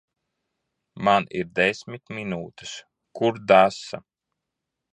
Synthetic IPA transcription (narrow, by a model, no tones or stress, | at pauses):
maniɾd̪esʲmit̪minuːt̪ɨ̥s | kuɾd̪asa